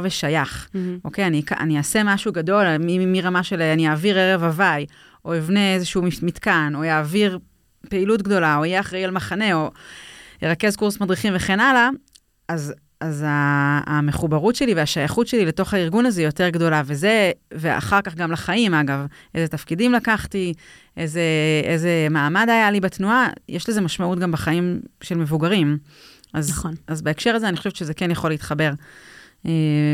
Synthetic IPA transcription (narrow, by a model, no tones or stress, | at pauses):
veʃajaχo̞ke̞janikaʔa̰niase̞maʃuɡado̞lmimiʁamaʃeleanijaːviʁeʁevavaj | o̞ivneezeʃuumitkano̞jaːviʁ | peilutɡd̪o̞laoijeaχʁejalmaχane̞o̞jeʁake̞zkuʁsmad̪ʁiχimveχe̞nala | az | azameχubaʁutʃe̞liveaʃajaχutʃelileto̞χhaiʁɡunazeijo̞te̞ʁɡdo̞laveze̞vea̰χaʁkaχɡamlaχaimaɡav | ʔejzetafkidimlakaχti | ʔeze̞eze̞maːmadajalibatnuajʔeʃlizemaʃmautɡambaχaimʃelmevuɡaʁim | aznazbeekʃe̞ʁazeanixoʃevʃezekenjaχo̞leit̪χabe̞ʁ | e